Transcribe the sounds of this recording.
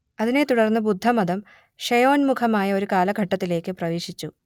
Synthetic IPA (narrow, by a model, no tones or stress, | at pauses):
ɐðine̞t̪uɽɐrnːɨbud̪ʱːɐmɐðɐm | ʂɐjo̞ːnmukʰɐmaːjɐo̞ɾukaːlɐɡʱɐʈːɐt̪ːile̞ːkːɨprɐʋeːʂit͡ɕːu